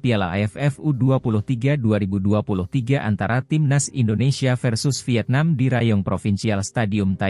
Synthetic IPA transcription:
piala̰ɛfɛfuduapulʊht̪iɡaduaɾibuduapulʊht̪iɡaʔa̰nt̪aɾat̪imnasindonesiafɛrsʊsfiɛt̪̚namdiɾajɔŋpɾofinsialst̪adiʊmt̪a

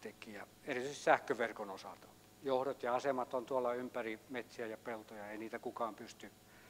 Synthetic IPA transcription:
t̪ekijɑ | erit̪yisisæhkøʋerkonosɑ̰lt̪ɑ | johdot̪jɑɑsemɑt̪ont̪uolːɑympærimet̪siæjɑpelt̪ojɑeiniːt̪ækukɑːmpyst̪y

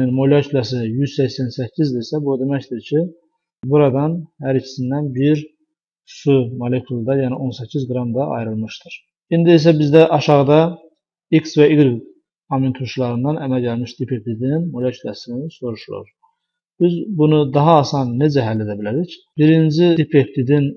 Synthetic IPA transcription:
inmo̞lecʰylʲɑs̬ijyz̥sæçsænsæcʰːizd̪iisæbud̪emæcd̪iɾcʰi | buɾɑd̪ɑnhæɾicʰi̥sind̪ænbiɾ | sumolekʰulˠd̪ɑjæːniʔo̞nsæcʰːizɡɾɑmd̪ɑʔɑ̰jɾɯlˠmɯʃt̪ɯɾ̥ | ind̪iis̬æbizd̪æʔɑʃɑʁɯd̪ɑ | iksvæiɡɾiɡ | ɑmint̪ʰuʃlˠɑɾɯnd̪ɑnʔæmælɟælmiʃd̪ipʰep̚t̪id̪ininmo̞lecʰylɑsiniso̞ɾuʃulˠṵɾ | b̥izbunud̪ɑɦɑːsɑnːed͡ʒæɦælːe̞d̪æbilæɾic | b̥iɾind͡ʒid̪ipʰept̪id̪in

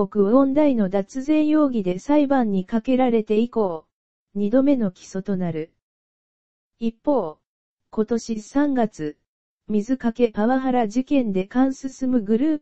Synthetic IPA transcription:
o̞kɯ̟βõ̞nd̪aino̞d̪at͡sɨzẽ̞ɰ̃jo̞ːɡʲid̪e̞saibãɲ̟ːikake̞ɾaɾe̞t̪e̞iko̞ː | ɲ̟id̪o̞me̞no̞kʲi̥so̞t̪o̞naɾɯ̟ | ipːo̞ː | ko̞t̪o̞ɕisãŋɡat͡sɨ | mʲizɨkake̞paβaɦaɾaʑikẽ̞nd̪e̞kãɰ̃sɨsɨmɯ̟ɡɯ̟ɾɯː

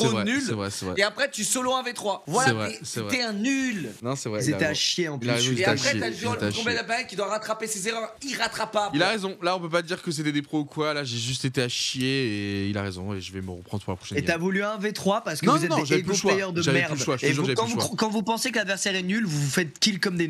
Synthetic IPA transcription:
sɛvʁɛnylsɛvʁɛ̰sɛvʁɛ̰eapχɛt̪ysɔloɛ̃vet̪χwavwalaɛvʁɛsɛvʁɛt̪ɛɛ̃nylnɔ̃sɛvʁɛzeɛaʃjeɑ̃pilayʁezɔ̃eapχɛt̪aʒlt̪ɛakɔ̃bad̪apaʁɛt̪kʲid̪waʁat̪χapesezeʁœʁiʁat̪χapabilaʁezɔ̃laɔ̃pøpad̪iʁkəs̬et̪ɛd̪epχoukwalaʒeʒys̬t̪et̪eaʃjeːilaʁezɔ̃eʒəvɛməʁəpχɑ̃d̪ʁəpuʁlapχɔ̥ʃɛnet̪avulyɛ̃vet̪χwapaʁsə̥kəɔ̃vuzɛtnɔ̃dʒavɛepoʃwaajœʁd̪əʒavmɛɛʁdyʃwaaeʒuʁʒaɛkyvuʃkɑ̃vupɑ̃sekəlad̪vɛʁsɛʁɛnylvuufɛt̪̚kʲilkɔmd̪e

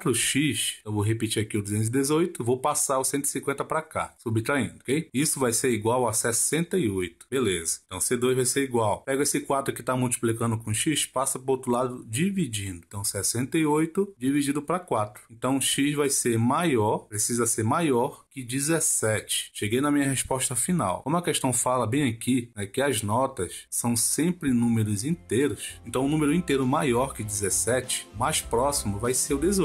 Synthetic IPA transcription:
t̪ɾʊʃiʃewvowɦepit͡ʃiɾakiʊd̪uzẽnʊzid̪ezojt̪ʊvowpasaɾʊsẽt̪ʊi̥sĩŋkwẽnt̪ɐpɾaka̰subit̪ɾaĩd̪ʊokejisʊvajseɾiɡwawɐsɛsẽnt̪ɐiojt̪ʊ̥belezɐ̃t̪ɐ̃w̃sed̪ojzvajseɾiɡwawpɛɡʊesɪkwat̪ɾʊkɪt̪amuwt͡ʃi̥plikɐ̃nd̪ʊkõʃiʃpasɐpoɾot̪ɾʊlad̪ʊd͡ʒivid͡ʒĩnd̪ʊẽt̪ɐ̃w̃sɛsẽnt̪ɐiojt̪ʊd͡ʒivid͡ʒĩd̪ʊpɾɐkwat̪ɾʊ̥ẽnt̪ɐ̃w̃ʃiʃvajseɾmajɔɾpɾesizɐseɾmajɔɾkɪd͡ʒizesɛt͡ʃɪ̥ʃeɡejnɐmĩɲɐɦespɔʃt̪ɐfina̰wõmɐkɛʃt̪ɐ̃w̃falɐbẽj̃ɐkinɛkɪɐznɔt̪ɐssɐ̃w̃sẽmpɾɪnũmeɾʊzĩt̪ejɾʊsẽnt̪ɐ̃w̃ʊnũmeɾʊĩt̪eɾʊmajɔɾkɪd͡ʒizɛsɛt͡ʃɪ̥majspɾɔsimʊvajseɾʊd̪ezo

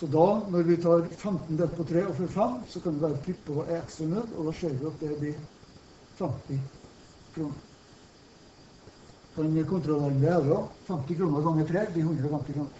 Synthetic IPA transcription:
sɔd̪ɑːnɔɾʋɪt̪ʰɑːɾfɛmt̪nd̪ɛt̪pʰɔt̪ʰɾeːɔfœɾfɛmːsɔkʰɑnd̪ɛʋæːɾət̪ʰɪpːɔʔɛɛkst̪ɾɑnʉd̪ɔ̰d̪ɑːʃeːɾʋɪɑt̪̚d̪ɛblɪɾ | fɛmt̪ɪ | kʰɾuːnəɾ | kʰɑɲkʰʊnt̪ɾɔleːɾənd̪ɛæːd̪ɾɔfɛmt̪ɪkʰɾuːnəɾɡɑŋːət̪ʰɾeːb̪ɪhʉnd̪ɾəɔfɛmt̪ɪkʰɾuːnəɾ

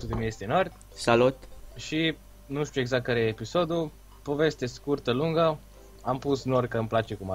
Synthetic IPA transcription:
sut̪emiest̪enorʲt̪ʲ | salut̪ʃi | nuʃt̪ueɡzak̚kːaɾejeːpiso̞d̪u | po̞ve̞st̪eskurt̪əluŋɡə | ampusnorkəɨmplat͡ʃe̞kuma

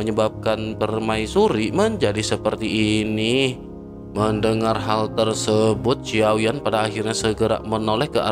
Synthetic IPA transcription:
əɲəbap̚kanpərmaisuɾiməɲd͡ʒadisəpərt̪iʔːni | məndəŋarɦalt̪ərsəbʊt̪̚t͡ʃiawianpadaːɦirɲasəɡəɾa̰mənolɛhkəʔa̰

